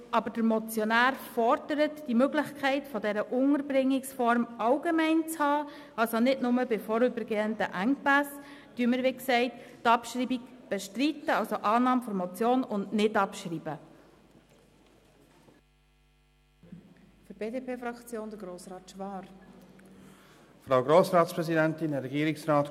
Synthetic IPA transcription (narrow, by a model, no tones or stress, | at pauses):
ʔɑbəd̥əɾmɔt͡sjɔnæːɾfɔɾd̥əɾətd̥imøɡlɪχkʰχɛɪtfɔdɛɾəʔʊŋəɾbrɪŋːɪksfɔɾmɑʊɡemɛɪnt͡shɑː | ɑlsonɪdnʊməbɪfɔɾʏbəɾɡeːəndəʔæŋpæs | d̥yːəməɾʋɪksɛɪttɑpʃɾiːbikb̥ɛʃtɾit̪ːəɑlsoʔɑːnɑːmfɔɾmɔt͡sjoːnʊndnɪdɑpʃɾiːb̥ə | fɾb̥eːdepʰeːfɾɑkt͡sjoːnd̪əɾɡɾoːsrɑːt̪ʃʋɑːɾ | fɾaʊɡɾoːsɾɑːtspɾɛzidɛnt̪ɪnɾɛɡiːɾɪksɾɑːt